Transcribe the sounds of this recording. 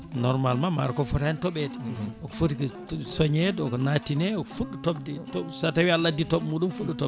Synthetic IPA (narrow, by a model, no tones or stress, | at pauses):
nɔɾmalmama̰ɾkɔfɔtaɛntɔɓɛdɛ̥ʔɔkɔfotik | sɔɲɛdɛɔkɔnatinɛɔkɔfuɗːutɔb̚dɛtɔsatawialːaditɔɓmuɗumfuɗːutɔ